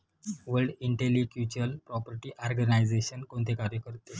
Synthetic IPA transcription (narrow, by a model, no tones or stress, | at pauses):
ʋəɾɖiɳʈelikjut͡ɕəlpɾɔpəɾʈiːʔɔɾɡənaid͡zeɕənkont̪ʰekaɾjəkəɾt̪e